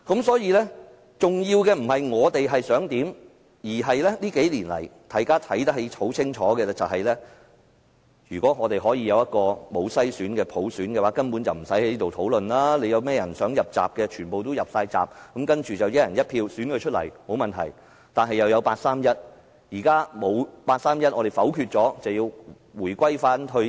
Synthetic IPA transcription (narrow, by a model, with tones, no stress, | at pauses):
kɐ˨˥msɔː˨˥jiː˧lɛ˥ | t͡sʊ˨ŋjiː˧wkɛ˧m̩˨˩ɦɐ˨jŋɔː˨˧t̪e˨jɦɐ˨jsœː˨˥ŋt̪iː˨˥m | jiː˨˩ɦɐ˨jlɛ˥liː˥ke˨˥jliː˨˩nlɐ̰˨˩jt̪ʰaː˨˧˩jkaː˥t̪ʰɐ˨˥jt̪ɐ˥k̚he˨˧˥ho˨˥wt͡sʰɪ˥ŋt͡ʃʰɔː˨˥kɛː˧t͡sɐ˨wɦɐ˨jlɛː˥ | jyː˨˩kʷɔː˨˥ŋɔː˨˧t̪e˨jɦɔː˨˥jiː˧jɐ˨˧wjɐ˥t̚kɔː˧mo˨˧wsɐ˥jsyː˨˥nkɛː˧pʰo˨˥wsyː˨˥nkɛː˧waː˨˥kɐ˥npu˨˥nt͡sɐ˨wm̩˨˩sɐ˨˥jhe˧˦liː˥t̪o˨wt̪ʰo˨˥wlɵ˨nlaː˥le˨˧jɐ˨˧wmɛː˥jɐ˨˩nsœː˨˥ŋjɐ˨p̚t͡sa̰ː˨p̚kɛ˧t͡ʃʰyː˨˩npo˨wt̪o˥wjɐ˨p̚saː˧jt͡sa̰ː˨˩p̚kɐ˨˥mkɐ˥nt͡ʃyː˨t͡sɐ˨wjɐ˦˥jɐ˨˩njɐ˥t̚pʰiː˧wsyː˨˥nkɵ˧t͡ʃʰɵ˥t̚lɐ̰˨˩jmo˨˧wmɐ˨nt̪ʰɐ˨˩j | t̪aː˨nɦɐ˨jɐ˨˩wjɐ˨˧wpaː˧t̚saː˥mjɐ˥t̚ | jiː˨˩kaː˥mo˨˧wpaː˧t̚saː˥mjɐ˥t̚ʔɔ˨˧ɾe˨jfɐ˨˥wkʰyː˧t̚t͡sɔː˨˥t͡sɐ˨wjiː˧w | wuː˨˩jkʷɐ˥jfaː˥nɦɵ˧